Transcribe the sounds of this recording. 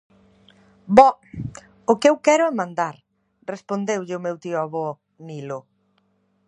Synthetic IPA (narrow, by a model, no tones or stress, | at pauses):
bɔ | ʊkewkɛɾʊɛmãnd̪aɾ | respond̪ewʎɪʊmewt̪iʊaβɔ | nilʊ